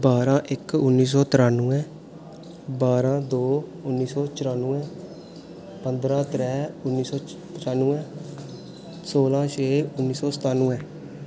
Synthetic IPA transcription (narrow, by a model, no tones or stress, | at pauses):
baːɾãːʔɪkʊnːiːs̬ɔːt̪ɪɾaːnũːɛ̃ː | baːɾãːd̪oː | ʊnːiːsɔːt͡ʃɪɾaːnũːɛ̃ː | pənd̪ɾãːt̪ɾɛːʊnːiːsɔː | pt͡ʃaːnːũːɛ̃ː | soːlãːt͡ʃʰeːʊnːiːsɔːsə̥t̪aːnũːɛ̃ː